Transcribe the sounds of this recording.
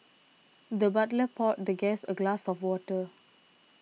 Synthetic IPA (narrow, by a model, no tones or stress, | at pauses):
dəbatləpʰɔt̚dəɡɛsəɡlasɔfwɔtə